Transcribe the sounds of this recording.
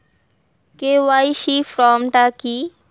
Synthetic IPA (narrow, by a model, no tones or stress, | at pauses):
kewajʃifɾɔmʈaki